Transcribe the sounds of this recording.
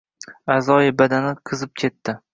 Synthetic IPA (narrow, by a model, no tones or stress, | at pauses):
azɒjɪbad̪anɪqʰɨzɪp̚kʲʰe̞t̪ːɪ